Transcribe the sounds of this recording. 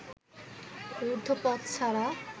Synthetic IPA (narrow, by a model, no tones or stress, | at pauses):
uɾd̪ʱopɔt̪sʰaɾa